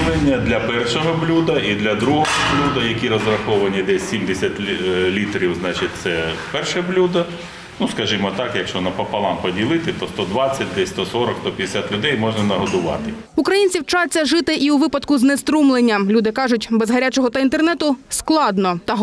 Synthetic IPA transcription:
lˠenʲːɐd̪lʲɐpɛrʃɔɦɔblʲud̪ɐʔid̪lʲɐd̪ɾuɦɔɦɔblʲud̪ɐjɐkʲiɾɔzɾɐxɔʋɐnʲid̪ɛsʲsʲimd̪esʲɐtʲlʲit̪ɾʲiwznɑt͡ʃɪt̚ʲt̪sɛpɛrʃɛblʲud̪ɐ | nuskɐʒimɔt̪ɑkjɐkʃt͡ʃɔnɐpɐpɐlˠɑmpɔdʲilˠɪt̪ɪt̪ɔst̪ɔd̪ʋɑt͡sʲːɐt̚ʲd̪ɛsʲst̪ɔsɔɾɔkst̪ɔpʲd̪ɪsʲat̪lʲʊd̪ɛjmɔʒnɐnɐɦɔd̪ʊʋɑ̰t̪ɪ | ukɾɐjinʲt͡sʲiwt͡ʃɑt͡sʲːɐʒɪt̪ɪʔiuʋɪpɐd̪kʊznest̪ɾumlˠenʲːɐlʲud̪ɪkɑʒʊtʲbɛzɦɐɾʲat͡ʃɔɦɔt̪ɐint̪ernɛt̪ʊsklˠɑd̪nɔt̪ɐɦ

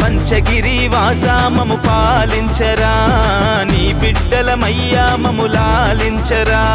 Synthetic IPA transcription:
pɐɲt͡ʃɐɡiɾiʋaːsaːmɐmupaːliɲt͡ʃɐɾaː | nipiɖːɐlɐmɐjːaːmɐmulaː | liɲt͡ʃɐɾa

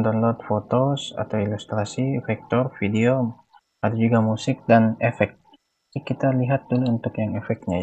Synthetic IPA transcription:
nd̪ɔnlɔt̪̚fot̪osa̰t̪awilust̪ɾasifɛk̚t̪ɔrfideo | adad͡ʒuɡamusɪk̚danɛfɛk̚t̪̚ | ikit̪aliɦat̪̚duluunt̪ʊkjaŋɛfɛk̚t̪ɲa

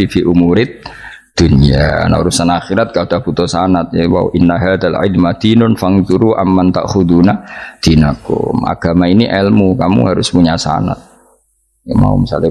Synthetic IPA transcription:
ifiʔumuɾɪt̪̚ | d̪̥ʊnija̰na̰uɾusanaxiɾat̪̚kaud̪aput̪ɔsanat̪̚jawa̰wʔɪnːaɦaðalʕɪlmat̪inʊnfaŋt̪uɾuʔamːant̪a̰ʔxud̪unat̪inakʊ̰ma̰ɡ̥amainiʔɛlmukamṵhaɾʊspuɲasa̰na̰t̪̚ | jama̰ṵmisa̰li

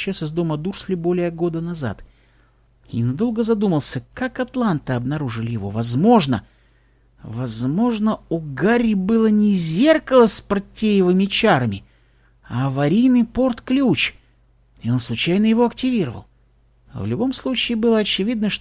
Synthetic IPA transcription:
t͡ɕːasɨzd̪o̞məd̪ursʲlʲɪbo̞lʲɪjəɡo̞d̪ənɐza̰t̪ | ɪ̰nɐd̪o̞lˠɡəzɐd̪uməlˠsʲəkakɐt̪lˠant̪ɨɐbnɐɾuʐɨlʲɪjɪvo̞̰vɐzmo̞ʐnə̰ | vɐzmo̞ʐnəuɡaɾʲɪbɨlˠənʲɪzʲe̞rkəlˠəspɾtʲːejɪvɨmʲɪt͡ɕaɾəmʲɪ | avɐɾʲijnɨjpo̞rt̪klʲut͡ɕ | ɪo̞nslˠʊt͡ɕajnəjɪvo̞ɐktʲɪvʲiɾəvə̰lˠ | vlʲʊbo̞mslˠut͡ɕɪːbɨlˠəɐt͡ɕɪvʲid̪̚nəʂt

